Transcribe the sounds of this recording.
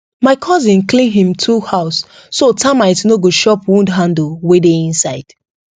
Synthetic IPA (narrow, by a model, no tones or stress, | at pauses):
maɪkʰɔzĩnklĩnɦĩmtʰuhaʊsː | otãmaɪtnoɡoʃɔpwũndɦãndl̩wedeĩnsaɪd̥